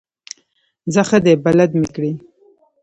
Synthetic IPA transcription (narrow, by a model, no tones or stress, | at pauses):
zaxəd̪ebalad̪mikɽi